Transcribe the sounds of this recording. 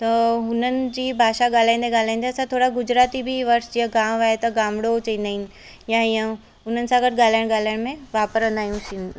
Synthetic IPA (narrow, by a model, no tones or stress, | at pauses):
t̪ɐɦʊnənɪ̆d͡ʑiːbʱaːʃaɠaːl̤aːĩːn̆d̪eɠaːl̤ãːĩn̆d̪eɐsãt̪ʰoːɽaɡʊd͡ʑɾaːt̪ibɪʋɐɾsd͡ʑiːəɡaːmaːɦet̪ɐɡaːmɽot͡ɕɐĩːnd̪aːɦɪnɪ̆ | jaiə̃ | ʊn̤ənɪ̆sãɡɐd̪ɠaːl̤aːɪɽ̃ɠaːl̤aːɪɽ̃mẽʋaːpəɾə̃nd̪aːɦijũsin